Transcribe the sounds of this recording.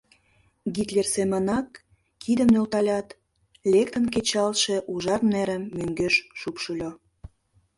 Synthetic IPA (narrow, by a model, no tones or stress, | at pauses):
ɡit̪lʲersemənɑkːʰ | id̪ə̆mnølt̪ɑlʲɑt̪ | lʲekt̪ə̆nk̬et͡ɕɑlʃĕʔuʒɑrnæɾə̆mːøŋɡøʃʃupʃulʲo